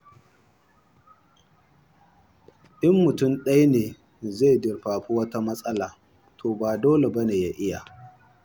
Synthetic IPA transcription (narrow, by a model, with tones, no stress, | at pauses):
ʔɪ˦mːʊ˨tʊ˦˨mɗɐ˦jneː˨ | ze˦˨jdɪ˨rɸaː˨ɸu˦wɐ˦ta˦mɐ˦sʼɐ˦laː˨ | tʰoː˨baː˨doː˦le˨bɐ˦neː˨ja˦ʔɪ˦ja˨